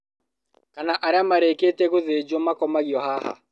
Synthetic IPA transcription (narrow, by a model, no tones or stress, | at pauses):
kanaʔaɾeamaɾeketɛɣoðed͡ʒomakɔmaɣiɔhaha̰